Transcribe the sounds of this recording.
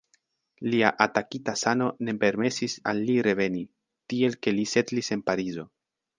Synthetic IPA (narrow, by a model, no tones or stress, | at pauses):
liaʔatakitasano̞ne̞pe̞ɾme̞sisa̰lːiɾe̞ve̞ni | tie̞lke̞lise̞tlise̞npaɾizo̞